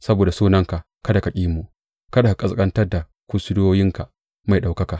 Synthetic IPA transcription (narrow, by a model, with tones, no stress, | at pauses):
sɐ˦boː˨da˨suː˦nɐ˦ŋka˨ʔ | kɐ˦da˨kɐ˨kʲʼiː˦mu˨ʔ | kɐ˦da˨ka˨kʼɐ˨skʼɐ˦ntɐ˦rda˨ | kʷʊ˦sʊ˦doː˦jɪ˦ŋka˨ʔ | ma˨jɗa˨wkɐ˦ka˨